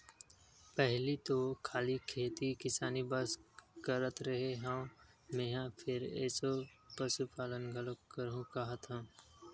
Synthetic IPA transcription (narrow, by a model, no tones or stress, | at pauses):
pɛɦlit̪okʰaːlikʰeːt̪ikɪsaːnibəskəɾət̪ɾɐɦeɦã | mẽːɦãpʰɪɾɛ̰ːsopəsupaːlənɡʱələkəɾɦũkɐɦət̪ɦãː